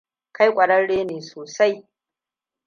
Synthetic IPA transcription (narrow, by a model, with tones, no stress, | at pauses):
ka˦jkʷʼɐ˨ɽɐ˦nɽeː˦neː˨soː˨sa˦j